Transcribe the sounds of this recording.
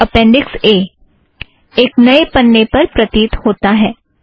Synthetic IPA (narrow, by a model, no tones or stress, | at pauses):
əpɛ̃ɳɖikse | eknəepənːepəɾpɾət̪iːt̪hot̪aɦɛ